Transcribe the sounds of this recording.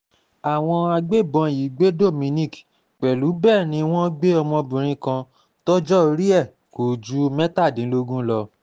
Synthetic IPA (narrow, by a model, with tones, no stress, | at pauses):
a˨w̃ɔ̃˧a˧ɡ͡be˦˨bɔ̃˧ji˨˦ɡ͡be˦do˦˨mĩ˧nĩ˦˨k | k͡pɛ˨lu˨˦bɛː˦˨nĩ˧w̃ɔ̃˦ɡ͡be˦ɔ˧mɔ̃˧bũ˨ɾ̃ĩ˧˦kã˧ | tɔ˦d͡ʒɔ˦o˧ɾi˦ɛ˦˨ | ko˨d͡ʒu˦mɛ˦ta˦˨dĩ˨˦lo˧ɡũ˦lɔ˧